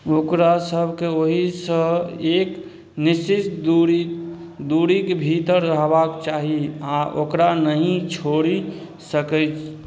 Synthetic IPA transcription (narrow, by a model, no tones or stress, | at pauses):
okɾasəbʱkeoɦisə̃ek | niʃist̪d̪uɾi | d̪uɾikebʱit̪əɾːəɦbakt͡ʃaɦiaʔokɾanəɦĩt͡ʃʰoɾi | səkəjt͡ʃʰ